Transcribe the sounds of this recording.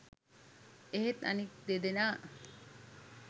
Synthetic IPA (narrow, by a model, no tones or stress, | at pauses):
eɦet̪a̰nik̚d̪ed̪enaː